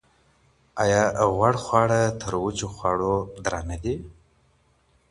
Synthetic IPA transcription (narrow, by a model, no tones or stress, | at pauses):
ajɑɣwaɽxwɑɽat̪ʰəɾwut͡ʃoxwɑɽod̪ɾanad̪i